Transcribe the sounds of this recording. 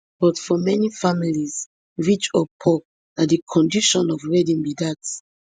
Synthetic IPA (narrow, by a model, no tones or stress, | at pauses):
b̥ɔtfɔmɛnifamiliz | ɹit͡ʃɔpʰɔk̚ | nadikʰɔ̃ndiʃɔ̃nɔvɹɛdĩnbidat